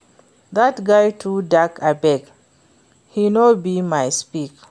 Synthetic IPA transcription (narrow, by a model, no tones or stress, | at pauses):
ðatɡajtʰudakʰabɛɡ | hinobimajspik